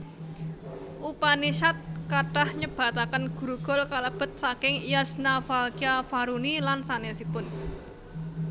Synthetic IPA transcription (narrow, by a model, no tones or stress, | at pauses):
ʔupaniʃat̪̚kaɖ̥ahɲəb̥a̤t̪akənɡ̥ṳɾuɡ̥ɔ̤lkaləb̥ə̤t̪̚sakɪŋijasnafalkiafaɾunilansanesipʊn